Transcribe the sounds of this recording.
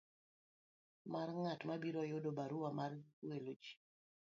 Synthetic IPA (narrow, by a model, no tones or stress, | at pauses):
marŋatmabiɾɔjʊdobaɾuwamarwelod͡ʒi̥